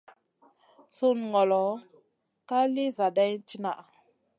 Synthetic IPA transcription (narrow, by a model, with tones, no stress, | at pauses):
su˦n˨ŋɔ˨lɔ˨˦ | ka˦li˦za˨da˦n˦t͡ʃi˦na˨ʔ